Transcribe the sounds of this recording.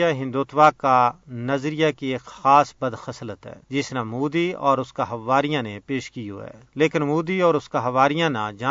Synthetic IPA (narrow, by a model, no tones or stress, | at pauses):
aɦɪ̃nd̪uːt̪ʋaːkanɐzɾijakieːkxaːsbɐd̪xɐslət̪ɦɛ̰ːd͡ʒɪsnamuːd̪iɔːɾʊskaɦɐʋaːɾijãnepeːʃkio̰ɛ̰ːleːkɪnmuːd̪iɔːɾʊskaɦɐʋaːɾijãna̰d͡ʒaː